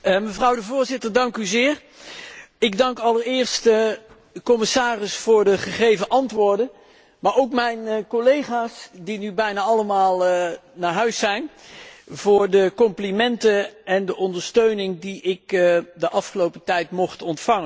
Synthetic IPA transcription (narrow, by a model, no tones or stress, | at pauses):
məvrɑwdəvʊːɹzɪtəɹdɑŋkyzɪːɹ | ɪɡdɑŋkɑləɹɪːɹst | kɔmɪsaːrɪsfʊːɹdəχəχejvəʔɑntʋʊːɹdən | maːɹowkmɛjnkolejχaːsdinybɛjnaːɑləmaːlˠnaːɹɦœɥsɛjn | v̥ʊːɹdəkɔmplimɛntənɛndəʔɔndəɹstøɥnɪŋdiɪkdəʔɑfχəlowpətɛjtmɔχtɔntfɑŋə